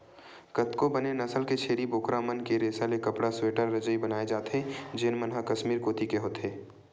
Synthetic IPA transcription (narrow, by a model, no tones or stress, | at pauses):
kɐt̪kobɐnenɐsəlket͡ʃʰeːɾiboːkɾamənkeɾeːsalekɐpɽasweːʈəɾːɐd͡ʒəibɐnaːed͡ʒaːt̪ɦẽd͡ʒɪnmənɦəkɐʃmiːɾkoːt̪ikeɦoːt̪ɦeː